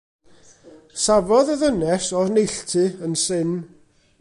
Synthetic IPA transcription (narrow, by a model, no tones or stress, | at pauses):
savɔðəðənɛsɔrnejɬtʰɨənsɪn